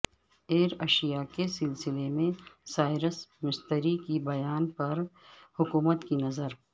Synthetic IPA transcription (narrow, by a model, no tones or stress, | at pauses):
eːɾɐʃijakesɪlsɪlemẽsaːɪɾəsmɪst̪əɾikibɐjaːnpɐɾ | hʊkuːmət̪kinɐzəɾ